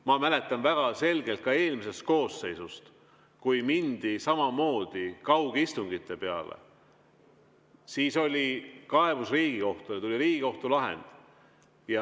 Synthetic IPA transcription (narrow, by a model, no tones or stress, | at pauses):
mɑmæle̞t̪ˑːɑnvæɡ̥ɑse̞lɡ̥e̞lt̪̚kɑe̞ːlmise̞st̪̚ko̞ːsːe̞jsust̪ | kujmind̪̥isɑmɑmo̞ːd̪̥ikɑwɡ̥ist̪uŋɡ̥it̪ːe̞peɑ̰lḛ | siːso̞lʲikɑe̞busriːɡ̥iko̞ht̪ujɑt̪ulʲiɾiːɡ̥iko̞ht̪ulɑɦḛnd̪̥ | jɑ